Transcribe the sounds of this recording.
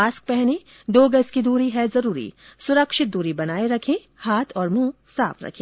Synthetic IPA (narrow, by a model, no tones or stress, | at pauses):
aːsk̚pɛɦni | d̪oːɡɐskid̪uːɾiɦɛzɐɾuːɾḭsʊɾəkʃɪt̪̚d̪uːɾibɐnaːeɾɐkʰẽ | haːt̪ʰɔːɾmũːsa̰ːfɾɐ̰kʰẽː